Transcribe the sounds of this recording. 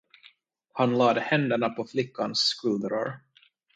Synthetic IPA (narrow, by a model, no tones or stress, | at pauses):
hanlɑːd̪əhɛnd̪əɳapʰɔflɪkːanskɵːd̪ɾa̰ɾ